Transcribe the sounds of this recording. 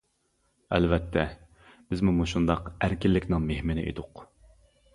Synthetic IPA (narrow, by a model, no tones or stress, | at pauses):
ɛ̰lvɛt̪ʰːɛ | b̥ɪzmumuʃund̪ɑqæɾkʲilːɪkʲnɪŋmehmɪnɪʔḛd̪ʊq